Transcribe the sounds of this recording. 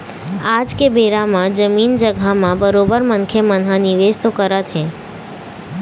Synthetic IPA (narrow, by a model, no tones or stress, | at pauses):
ad͡ʒkebeɾamãd͡ʒəmind͡ʒəɡʱamãbəɾobəɾmənkʰemənɦãniʋed͡ʒt̪okəɾət̪ɦɛ̃